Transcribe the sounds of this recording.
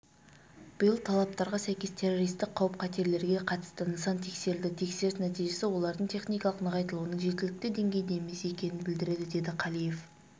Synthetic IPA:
b̥ɪjəlˠt̪ʰɑlˠɑp̚t̪ɑɾʁɑsæjkʲe̞st̪ʰe̞rːo̞ɾijst̪ɪk̚qʰːɑwəp̚qʰɑt̪e̞ɾle̞ɾɡʲe̞qʰɑt̪ə̥st̪ənəsɑnt̪ʰe̞kse̞ɾɪld̪ɪt̪ʰe̞kse̞ɾɪsnæt̪ijʒe̞sɪwo̞lˠɑɾd̪əɴt̪ʰe̞χnijkɑlˠəqnəʁɑjt̪əlˠuənəŋʒekʲɪlɪk̚ʲt̪ɪd̪e̞ŋɡʲe̞jd̪ejmese̞kʲe̞nɪnbɪld̪ɪɾe̞d̪ɪd̪e̞d̪ɪqʰɑlˠijef

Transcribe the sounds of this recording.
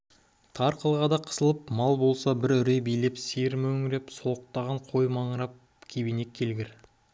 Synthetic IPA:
t̪ʰɑɾqʰəlˠʁɑd̪ɑqʰə̥səlˠəpmɑlˠbo̞lˠsɑbɪɾʏɾebijle̞pseɾmɵŋɪɾe̞psoq̚t̪ɑʁɑɴqʰo̞jmɑɴəɾɑp̚ | kʲʰebine̞kʲʰːe̞lɡʲeɾ

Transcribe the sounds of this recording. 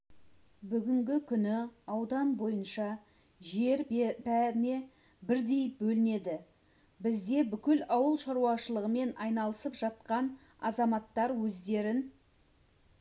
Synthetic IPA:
bʏɡʲɪŋɡʲɪkʲʰʏnɪɑwd̪ɑnbo̞jənʃɑ | ʒe̞ɾbæɾɪne̞ | bɪɾd̪e̞jbɵlɪne̞d̪ɪ | bɪzd̪e̞bʏkʲɪlɑwəlˠʃɑɾuɑʃəlˠəʁəme̞nɑjnɑlˠəsəpʒ̥ɑt̪̚qɑn | ɑ̰zɑmɑt̪ːɑɾwɵzd̪e̞ɾɪn

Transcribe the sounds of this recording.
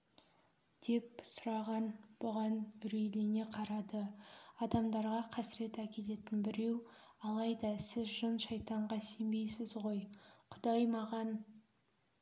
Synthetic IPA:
d̪̥e̞p̚sʊɾɑʁɑnb̥ʊʁɑnʏɾejlene̞qʰɑɾɑd̪əɑd̪ɑmd̪ɑɾʁɑqʰɑsɪɾe̞t̪ækʲe̞t̪e̞t̪ɪnbɪɾe̞w | ɑlˠɑjd̪ɑsɪzʒənʃɑjt̪ɑɴʁɑse̞mbe̞jsɪzʁo̞jqʰʊd̪ɑjmɑʁɑn

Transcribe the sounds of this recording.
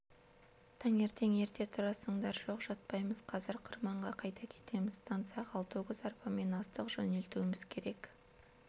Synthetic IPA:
t̪ʰɑŋe̞ɾt̪e̞ŋe̞ɾt̪e̞t̪ʰʊɾɑsəɴd̪ɑɾʒo̞qʒɑt̪̚pɑjməz̥qʰɑzɪɾqʰʊɾmɑɴʁɑqʰɑjt̪ɑkʲʰe̞̥t̪e̞mɪzst̪ʰɑnt̪sɨɑqɑlˠt̪uʁɪzɑrpɑme̞nɑst̪əqʒɵne̞lt̪uwɪmɪz̥kʲʰe̞ɾe̞k

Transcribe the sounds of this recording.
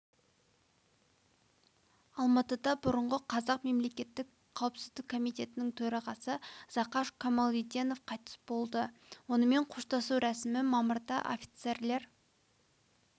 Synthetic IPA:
ɑlˠmɑt̪əd̪ɑbʊɾəɴʁəqʰɑzɑqme̞mle̞kʲe̞t̪ːɪk | qʰːɑwpsɪzd̪ɪkʰːo̞mijt̪e̞t̪ɪnɪŋt̪ʰɵɾɑʁɑsəz̥ɑqɑʃkʰomɑlˠid̪ʲeno̞fqʰɑjt̪ə̥sbo̞lˠd̪əwo̞nəme̞ɴqʰoʃt̪ɑsuwɾæsɪmɪmɑməɾd̪ɑ̰ʔo̰fʲi̥t̪se̞ɾle̞ɾ

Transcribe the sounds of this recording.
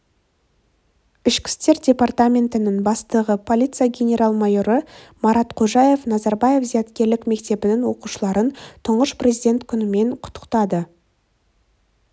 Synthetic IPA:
ɪʃkʲɪ̥st̪e̞ɾdʲe̞part̪amʲe̞nt̪ɪnɪɴbɑst̪əʁəpʰo̞lʲijt̪sɨjaɡʲe̞nʲe̞ɾalˠmɑjo̞ɾəmɑɾɑt̪qʰo̞ʒɑje̞fnɑzɑɾbaje̞fzijɑt̪kʲe̞ɾlɪkme̞kt̪e̞bɪnɪŋwo̞quʃəlˠɑɾənt̪ʰʊɴʁəʃprʲezidʲe̞nt̪kʲʰʏnɪme̞ɴqʰʊ̥t̪ːə̥qt̪ɑd̪ə

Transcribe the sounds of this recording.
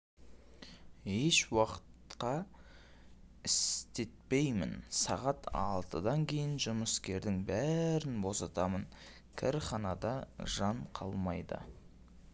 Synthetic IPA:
eʃwɑqə̥t̪qɑ | ɪst̪e̞t̪̚pe̞jmɪ̰nsɑʁɑt̪ʰɑ̰lˠt̪ə̰d̪ɑŋkʲʰe̞jɪnʒʊməskʲe̞ɾd̪ɪŋbæɾɪnbo̞sɑt̪ɑmən | kʲʰɪ̰ɾχɑnɑd̪ɑʒɑɴqʰɑ̰lˠmɑjd̪ə̰

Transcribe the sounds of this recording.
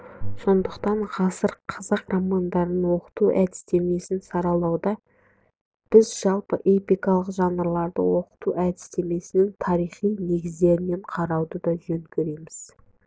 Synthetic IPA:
so̞nd̪əqt̪ɑɴʁɑsəɾqʰɑzɑqromand̪ɑɾənwo̞qə̥t̪uʔæd̪ɪ̥st̪e̞me̞sɪnsɑɾɑlˠɑwd̪ɑ | b̥ɪzʒɑlˠpəʔe̞pijkɑlˠəqʒɑnəɾlˠɑɾd̪ə̰wo̞qə̥t̪uʔæd̪ɪst̪e̞me̞sɪnɪŋt̪ʰɑɾijχijne̞ɡʲɪzd̪e̞ɾɪne̞ɴqʰɑɾɑwd̪əd̪ɑʒɵŋkʲeɾe̞mɪz̥

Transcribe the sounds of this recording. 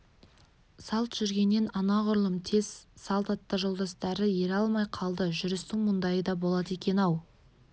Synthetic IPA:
sɑlˠt̪ʒ̥ʏɾɡʲe̞nːe̞nɑnɑʁʊɾlˠəmt̪ʰe̞z̥sɑlˠt̪ɑt̪ːəʒo̞lˠd̪ɑst̪ɑɾəje̞ɾɑlˠmɑjqʰɑlˠd̪əʒʏɾɪst̪ɪŋmʊnd̪ɑjəd̪ɑbo̞lˠɑd̪e̞kʲe̞nɑw

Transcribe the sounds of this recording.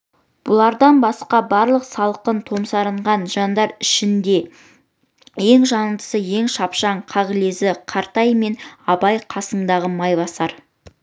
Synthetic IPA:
b̥ʊlˠɑɾd̪ɑnbɑsqɑbɑɾlˠəqsɑlˠqənt̪ʰo̞msɑɾəɴʁɑnʒɑnd̪ɑɾɪʃɪnd̪e̞ | je̞ŋʒɑnənd̪ə̥səje̞ŋʃɑpʃɑɴqʰɑʁəle̞zɪqʰɑɾt̪ɑjme̞nɑbɑjqʰɑsəɴd̪ɑʁəmɑjbɑsɑɾ

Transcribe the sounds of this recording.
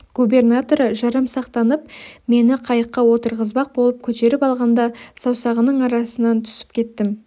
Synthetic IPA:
ɡ̥ube̞rnat̪o̞ɾʒɑɾəmsɑqt̪ɑnəp̚me̞nɪqʰɑjəqːɑwo̞t̪əɾʁəzbɑq̚bo̞lˠəp̚kʲʰɵt̪e̞ɾɪpɑlˠʁɑnd̪ɑsɑwsɑʁənəɴɑɾɑsənɑnt̪ʰʏ̥sɪ̥p̚kʲʰe̞t̪ːɪm

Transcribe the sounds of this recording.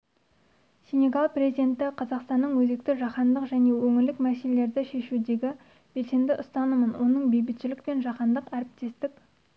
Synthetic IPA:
sʲeneɡɑlˠpre̞zid̪e̞nt̪ɪqʰɑzɑqst̪ɑnːəɴwɵze̞k̚t̪ɪʒɑqɑnd̪əqʒæne̞wɵŋɪɾlɪkmæselele̞ɾd̪ɪʃe̞ʃud̪e̞ɡʲɪ | b̥e̞lse̞md̪ɪʔʊst̪ɑnəmənwʔo̞nəɴbe̞jbɪt̪ʃɪlɪk̚pe̞nʒɑqɑnd̪əqæɾɪp̚t̪e̞st̪ɪk

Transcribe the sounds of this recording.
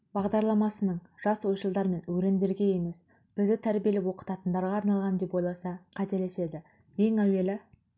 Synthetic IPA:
b̥ɑʁd̪ɑɾlˠɑmɑsənəɴʒ̥ɑswo̞jʃəlˠd̪ɑɾme̞nwɵɾe̞nd̪e̞ɾɡʲe̞je̞me̞s | b̥ɪzd̪ɪt̪ʰæɾbije̞lɪwo̞qə̥t̪ɑt̪ənd̪ɑɾʁɑːɾnɑlˠʁɑnd̪e̞pojlˠɑsɑqʰæt̪e̞le̞se̞d̪ɪ | je̞ŋæwe̞lɪ

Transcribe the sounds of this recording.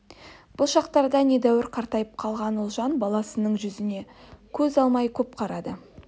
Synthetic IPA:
b̥ʊlˠʃɑqt̪ɑɾd̪ɑne̞d̪æwɪɾqʰɑɾt̪ɑjəp̚qʰɑlˠʁɑnʊlˠʒɑnbɑlˠɑsənəɴʒʏzɪne̞kʲʰɵzɑlˠmɑjkʲʰɵp̚qʰɑɾɑd̪ə

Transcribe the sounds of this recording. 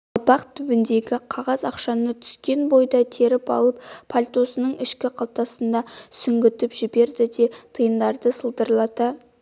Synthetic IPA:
ɑlˠpɑqt̪ʰʏbɪnd̪e̞ɡʲɪqʰɑʁɑzɑqʃɑnət̪ʰʏ̥skʲe̞nbo̞jd̪ɑt̪ʰe̞ɾɪpɑ̰lˠəppʰalʲt̪o̞sənəɴɪʃkʲɪqʰɑlt̪ɑsənd̪ɑsʏŋɡʲɪt̪ɪpʒɪbe̞ɾd̪ɪd̪e̞t̪ʰəjənd̪ɑɾd̪əsəlˠd̪əɾlˠɑt̪ɑ

